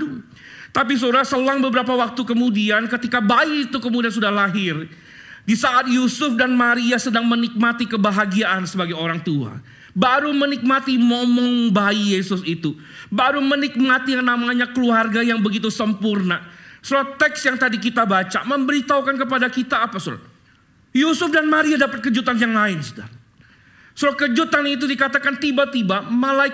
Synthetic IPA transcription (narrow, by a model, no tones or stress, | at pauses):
t̪ap̬is̬uɾasəlaŋbəbəɾapawak̚t̪ukəmudiankət̪ikabaiːt̪ukəmudians̬udahlaɦɪr | disaʔat̪̚jusʊfdanmaɾiasədaŋmənik̚mat̪ikəbaɦaɡiaʔansəbaɡajoɾaŋt̪ua̰ | baɾumənik̚mat̪imɔmɔŋbaijesʊsit̪u | baɾumənik̚mat̪ijaŋnamaɲakəluarɡajaŋbəɡit̪̬usəmpurnasoɾat̪ɛksjaŋt̪adikit̪abat͡ʃa̰məmbəɾit̪aukankəp̬adakit̪aːpasuɾa̰ | jusʊfdanmaɾiadapət̪̚kəd͡ʒut̪anjaŋlaɪnso̥daɾa | suɾakəd͡ʒut̪anit̪̬udikat̪akant̪ibat̪ibamalaɪk